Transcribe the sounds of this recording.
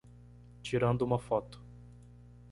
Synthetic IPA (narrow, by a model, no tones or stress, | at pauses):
t͡ʃiɾɐ̃nd̪ʊũmɐfɔt̪ʊ̥